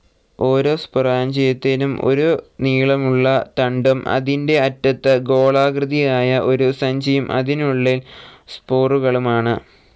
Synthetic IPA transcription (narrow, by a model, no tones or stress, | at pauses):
o̞ːɾo̞ːspuraːnt͡ɕe̞jt̪ːeːnumo̞̰ɾuniːɭɐmuɭːɐt̪ɐɳɖumʔɐ̰ðinde̞ɐtːɐt̪ːɨɡo̞ːɭaːɡrɨðijaːjɐʔo̞ɾusɐɲd͡ʑɐjumʔɐ̰ðinuɭːilspoːruɣɐɭumaːɳɨ